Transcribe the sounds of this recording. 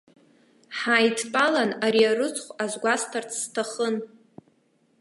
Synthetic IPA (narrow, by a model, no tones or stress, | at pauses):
ħajtʰpʼalanaɾiaɾɨt͡sʰʼχʷazɡʷastʰart͡sʰstʰaχən